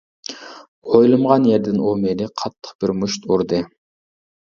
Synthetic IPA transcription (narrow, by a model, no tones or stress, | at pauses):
ojlˠɨmʁɑnjɛɾd̪ɪnomelɪqʰɑt̪ʰːə̥qb̥ɪɾmuʃt̪uɾd̪ɨ